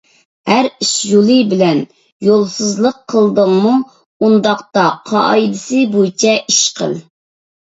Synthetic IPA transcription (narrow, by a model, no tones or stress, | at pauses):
hæɾiʃjulˠɨbɪlɛn | jolˠsɨzlˠəqʰːəlˠd̪əŋmu | und̪ɑqt̪ɑqʰɑʔɑjd̪ɪsɨbut͡ʃʰɛʔiʃqʰə̰lˠ